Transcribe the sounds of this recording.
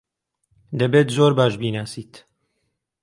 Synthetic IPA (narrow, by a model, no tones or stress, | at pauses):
d̪ɐbeːt̪zoɾbaːʃbiːnaːsiːt̪